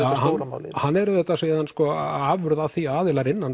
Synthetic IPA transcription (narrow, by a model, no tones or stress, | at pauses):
ahaɾama̰wlɪhanːɛɾʏðɛt̪ːaseðanskɔːaːvʏɾʏðaðθiaːðɪlaɾɪnːan